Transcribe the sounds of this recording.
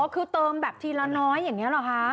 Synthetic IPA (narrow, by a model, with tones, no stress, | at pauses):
ɔ˦˥kʰɯː˧t̪ɤː˧mbɛː˨˩p̚t̪ʰiː˧laː˧nɔː˦˥jːa˨˩ŋːi˦˥ɐ˧lɔ˨˩kʰa˦˥